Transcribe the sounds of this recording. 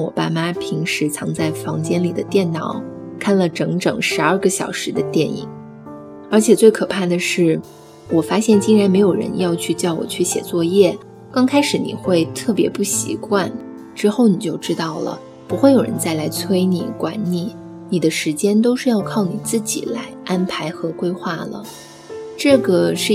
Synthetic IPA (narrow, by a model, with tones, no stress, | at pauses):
ɻŋwɔ̰˨˩pa̰˥˧ma˥pʰi˧˥ŋʂɻ̩˧˥t͡sʰɑ˧˥ŋt͡sa˥˩ɪfɑ˧˥ŋt͡ɕjɛ˥nli˨˩d̪ə̰˦t̪jɛ˥˩nnɑ˨˩˦ʊkʰa˥˩nlə˩ʈ͡ʂɤ˧˥ŋʈ͡ʂɤ̰˨˩ŋʂɻ̩˧˥ɐ˞˥˩ɡə˧ɕjɑ˨˩ʊʂɻ̩˧˥d̪ə˧t̪jɛ˥˩nḭ˨˩˦ŋ | ə˞˧˥t͡ɕʰjɛ˨˩t͡swe˥˩ɪkʰɤ˨˩pʰa˥˩d̪ə˩ʂɻ̩˥˩ | wɔ˨˩fa˥ɕjɛ˥˩nt͡ɕi˥ŋɻa˧˥nme˧˥ɪjo˨˩ɻə̰˧˥njɑ˥˧ʊt͡ɕʰy˥˧t͡ɕjɑ˥˩ʊwɔ̰˨˩t͡ɕʰy˥˩ɕjɛ̰˨˩t͡swɔ˥˧jɛ˥˩ | kɑ˥ŋkʰa˥ɪʂɻ̩˧˩nḭ˨˩xwe˥˧ɪt̪ʰɤ˥˩pjɛ˧˥pu˥˩ɕḭ˧˥kwa˥˧n | ʈ͡ʂɻ̩˥xo˥˩ʊni˨˩t͡ɕjo˥˩ʊʈ͡ʂɻ̩˥t̪ɑ˥˩ʊlə̰˩ | pu˧˥xwe˥˩ɪjo˨˩ɻə̰˧˥nt͡sa˥˩ɪla˧˥ɪt͡sʰwe˥ɪnḭ˨˩kwa̰˧˥nni˨˩˦ | ni˨˩d̪ə˦ʂɻ̩˧˥t͡ɕjɛ˥nt̪̬o˥ʊʂɻ̩˥˧jɑ˥˧ʊkʰɑ˥˩ʊni˨˩t͡sɹ̩˥˩t͡ɕḭ˨˩la˧˥ɪʔa˥npʰa˧˥ɪxɤ˧˥kwe˥ɪxwa˥˩lə̰˩ | ʈ͡ʂɤ˥˩ɡə˩ʂɻ̩˥˩